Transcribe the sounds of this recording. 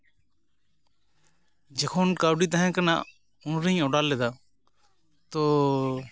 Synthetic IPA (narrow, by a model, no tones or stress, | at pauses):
d͡ʒekʰoːnkaːɖiːt̪̬əɦɛ̃ːkəna̰ː | ʊnɾĩːoɽaːlːeːd̪aː | t̪oː